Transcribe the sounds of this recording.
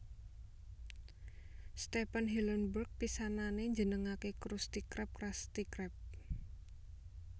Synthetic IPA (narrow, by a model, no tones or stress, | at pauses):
st̪ɛpənɦilənburk̚pisananeɲd͡ʒənəŋakekɾust̪ikɾɛp̚kɾast̪ikɾɛp̚